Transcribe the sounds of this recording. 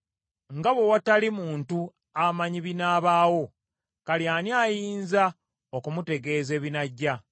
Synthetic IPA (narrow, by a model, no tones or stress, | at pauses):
ŋɡaβwe̞watalimuːntu | amaɲiβinaːβaːwo̞ | kaljaːniaːjiːnza | okumute̞ɡe̞ːze̞ːβinaɟːa